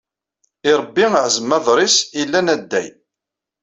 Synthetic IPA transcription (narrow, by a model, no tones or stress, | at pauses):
ɪɾˤəbːiəʕzəmːæðˤɾˤisilːænæd̪ːæ̰j